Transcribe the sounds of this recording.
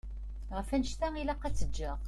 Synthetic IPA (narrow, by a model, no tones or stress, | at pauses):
ʁəfænəʃt̪æilɑqːæt͡sːəd͡ʒːæʁ